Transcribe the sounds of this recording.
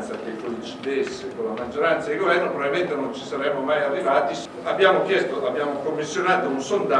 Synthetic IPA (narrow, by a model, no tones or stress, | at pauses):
t̪sak̟ekoit͡ʃid̪esːekolamad͡ʒːoɾant̪ad̪ilɡovɛrnopɾovaviment̪enont͡ʃi̥saɾɛmːomajarːivaːt̪i | abːjaːmokjɛst̪oʔabːjaːmokomːisːjonaːt̪ounsond̪a